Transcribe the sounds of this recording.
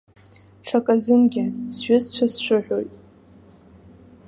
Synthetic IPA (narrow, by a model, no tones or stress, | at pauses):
ʈ͡ʂʰakʼazɨmɡʲɪsʒʷᶣʊzt͡ɕʷʰasʃʷʊħʷᶣoɥtʼ